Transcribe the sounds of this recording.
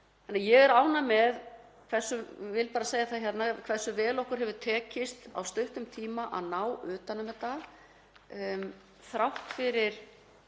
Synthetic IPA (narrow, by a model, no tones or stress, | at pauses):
hɛnːajɛɣɛɾaːwnamɛð | kʰv̥ɛ̥sːʏvɪlpaːɾaseːjaθaðçjɛt̪nakʰv̥ɛr̥sːʏvɛːlɔhkʏɾ̥ɦɛvðʏðt̪ʰɛːcɪst̪a̰wst̪œɥht̪ʏmt̪ʰiːmaʔa̰ðnaːwʏːt̪anːʏmɛðt̪ːað | θɾawht̪fɪɾɪɾ̥